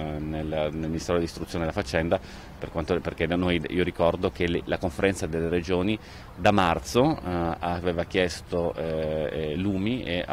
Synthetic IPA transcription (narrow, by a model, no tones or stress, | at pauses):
nelnelminist̪eːɾod̪ist̪ɾut̪sjoːnelafat͡ʃːɛnd̪a | perkwant̪operk̟ed̪anojiːoɾikɔrd̪ok̟elakoɱfeɾɛnt̪sad̪elːeɾed͡ʒoːni | d̪amart̪soaveːvak̟jɛst̪o | luːmiea̰